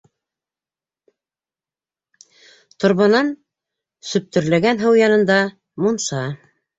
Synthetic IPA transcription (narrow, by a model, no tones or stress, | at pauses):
t̪ŏɾβɤ̆nɑn | sɵ̆p̚t̪ɵ̆ɾlæɡænɦɤwjɑnɤ̆nd̪ɑ | munsɑ